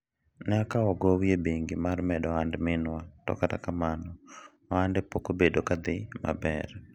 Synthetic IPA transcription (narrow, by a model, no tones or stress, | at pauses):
nɛakaɔɡɔwjebeŋɡimarmɛdɔandmɪnwatɔ̰kata̰kamanɔ | andɛpokobedokad̪ɪma̰bɛr